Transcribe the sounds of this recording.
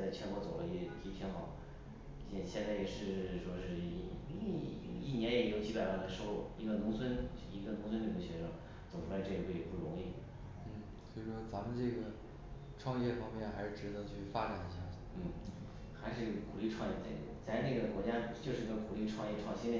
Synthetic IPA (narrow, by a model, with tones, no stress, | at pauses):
t͡ɕʰjɛ˥nkwɔ˧˥t͡so˨˩ʊlə˦˥i˧˥˩k̪ʰt̪ʰjɛ˥nxɑ˨˩˦ʊ˧˥˩ | jɛ˧˩ɕjɛ˥˧nt͡sa˥˩ɪjɛ˨˩ʂɻ̩˥˩ʂwɔ˥ʂɻ̩˥˩˥ | i˥˩njɛ˧˥njɛ˧˥jo˨˩ʊt͡ɕi˥pa˨˩ɪwa˥˩nla˧ɪʂo˥˩ʊi˧˥ɡə˧nʊ˧˥ŋsʰwə˥n˥˩ | i˧˥ɡə˧nʊ˧˥ŋsʰwə˥nə˥˧˩ə˧˩ɕɥɛ˧˥ʂɤ˧˥ŋ | t͡so˨˩ʊʈ͡ʂʰu˥la˧˥ʈ͡ʂɤ˥˩ɡə˧˩we˥˩ɪɛ˨˩pu˥˩ɻʊ˧˥ŋi˥˩ | n̩˥˩ | sɔ˧˥i˨˩ʂwɔ˥t͡sa˧˥mə˨nʈ͡ʂɤ˥˩ɡə˩ | ʈ͡ʂʰwɑ˥˧ŋjɛ˥˩fɑ˥ŋmjɛ˥˩nxa˧˥ɪʂɻ̩˥˩ʈ͡ʂɻ̩˧˥d̪ə˧t͡ɕʰy˥˩fa˥ʈ͡ʂa˨˩ni˧˥ɕja˥˩˨n̩˥˩ | xa˧˥ɪʂɻ̩˥˩˥ɡə˧˩ku˨˩li˥˧ʈ͡ʂʰwɑ˥˧ŋjɛ˥˩t͡sa˥˩t͡sa˥ɪna˥˩ɡə˩kwɔ˧˥t͡ɕja˥t͡ɕjo˥˧ʊʂɻ̩˥˩˧ɡə˧ku˨˩li˥˩ʈ͡ʂʰwɑ˥˧ŋjɛ˥˧ʈ͡ʂʰwɑ˥˧ŋɕi˥nlɛ˥